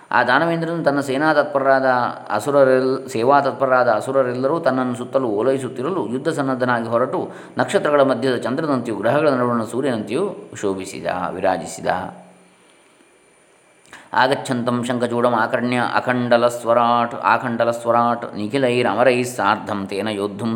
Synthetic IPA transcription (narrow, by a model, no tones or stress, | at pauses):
a̰ːd̪aːnɐʋeːnd̪ɾɐnːut̪ɐnːɐsɛːnaːt̪ɐt̪̚pɐɾaːd̪ɐɐ̰suɾɐɾɛsɛːʋaːt̪ɐt̪̚pɐɾɾaːd̪ɐːsuɾɐɾɛlːɐɾuːt̪ɐnːɐnːusut̪ːɐluoːlɐɦis̬ut̪ːiɾɐlujud̪ʱːɐsɐnːɐd̪ʱɐnaːɡiɦɔɾɐʈu | nɐkʂɐt̪ɾɐɡɐɭɐmɐd̪ʱjɐd̪ɐt͡ʃɐnd̪ɾɐnɐnt̪juɡɾɐɦɐɡɐɭɐnɐɽuːɳɐsuːɾjɐnɐnt̪juʃoːbisḭd̪a̰ːʋiɾa̰ːd͡ʒisid̪a̰ː | a̰ːɡɐtːt͡ʃʰɐnt̪ɐmʃɐŋkʰɐt͡ʃuːɽɐmaːkɐɾɐɳjɐʔɐ̰kʰɐɳɖɐlɐsʋɐɾaːʈa̰ːkʰɐɳɖɐlɐsʋɐɾaːʈnikʰilɐjiɾɐ̰mɐɾɐjisaːɾd̪ʱːɐmt̪eːnɐjoːd̪ʱːɐm